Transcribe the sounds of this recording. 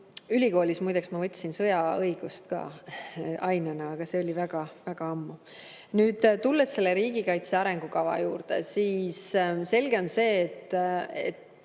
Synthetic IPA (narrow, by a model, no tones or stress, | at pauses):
ylʲiko̞ːlʲismujd̪eksmɑvɤt̪ʲːˑsinsɤ̞jɑɤjɡ̥ust̪kɑ̰ː | ʔɑjnɑnɑɑɡ̥ɑse̞o̞lʲivæɡ̥ɑvæɡ̥ɑɑmːu | nyːd̪̥t̪ulːesːe̞lːe̞ɾiːɡ̥ikɑjt̪seɑɾe̞ŋɡ̥ukɑvɑ̰juːrd̪̥ḛsiːsse̞lɡ̥e̞o̞nse̞ːt̪ːḛt̪ː